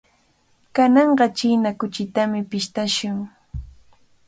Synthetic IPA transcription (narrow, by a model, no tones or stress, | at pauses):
kanɑɴɢɑt͡ʃijnakʊt͡ʃɪt̪amɪpɪʃt̪aʃʊŋ